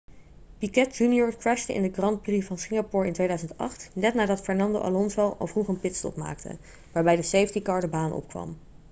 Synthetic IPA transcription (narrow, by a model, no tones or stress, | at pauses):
pikɛt̚d͡ʒunjɔɹkɹɛʃtəɪ̰ndəkrɑnd̚brifvɑnsɪŋɡapʊɹɪntʋejdœɥzəntɑ̰χtnɛtnaːdɑtfɛɹnɑndo̰ʔa̰lɔnzɛlˠɑ̰lˠvruχənpɪtstɔ̰pma̰ːktə̰ | ʋaːɹbɛjdəsejvəntikɑɹdəbaːnʔɔ̰pkʋɑ̰m